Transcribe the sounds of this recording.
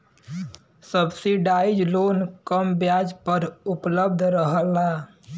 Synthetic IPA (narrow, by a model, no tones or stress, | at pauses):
səbsiɖaid͡ʒlonkəmbjad͡ʒpəɾupləb̚d̪ʱɾəɦəlːa